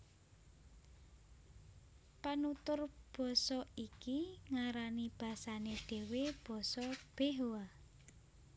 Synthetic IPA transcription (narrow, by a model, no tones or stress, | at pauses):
panut̪ʊrb̥ɔ̤sɔikiŋaɾanib̥ä̤saneɖ̥e̤web̥ɔ̤sɔb̥eɦoa